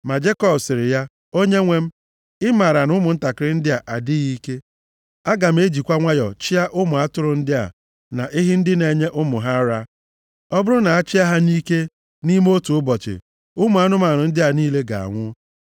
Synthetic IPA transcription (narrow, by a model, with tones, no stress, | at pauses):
ma˨d͡ʒe˦kɔ˦˨bsɪ˨ɾɪ˨ja˦ | o˦ɲe˦ŋʷe˦m̩˦ | ɪ˦ma˨ɾa˨nʊ˦mʊ˨n̩˦ta˨kɪ˦ɾɪ˦n̩˦dɪ˦a˨ʔa˨dɪ˦ɣi˦ke˦ | a˦ɡa˨m̩˦e˦d͡ʒi˨kʷa˦ŋʷa˦jɔ̰˨t͡ʃɪ˦a˦ʔʊ˦mʊ˨a˦tʊ˦ɾʊ˦n̩˦dɪ˦a̰˨ | na˨ʔɪ˦ɦɪ˦n̩˦dɪ˦ne˨ɲe˦ʔʊ˦mʊ˨ɦa˦ɾa˦ | ɔ˦bʊ˦ɾʊ˦na˨a˦t͡ʃɪ˦a˦ɦa˦niː˦ke˦ | ni˦m˦o˦tu˨ʊ˦bɔ˨t͡ʃɪ̰˨ | ʊ˦mʊ˨˦a˦nʊ˦ma˨nʊ˨n̩˦dɪ˦a˨niː˦le˦ɡa̰˨a̰˨ŋʷʊ˦